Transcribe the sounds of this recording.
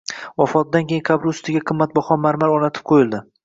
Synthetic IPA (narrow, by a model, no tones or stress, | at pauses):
ɒfɒt̪̚d̪ankʲejɪŋkʰabɾʊst̪ɪɡʲaqʰɨmːat̪̚bɒχɒnmaɾmalɒnat̪ʰɪ̥p̚qʰojɪlˠd̪ɪ